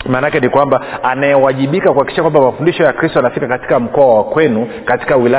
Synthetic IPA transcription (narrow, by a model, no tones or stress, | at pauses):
maːnakɛnikwambaanajɛwaʄiɓikakuhaki̥ʃakwambamafundiʃɔjakɾistɔanafikakati̥kam̩kɔawakwɛnu | kati̥kawila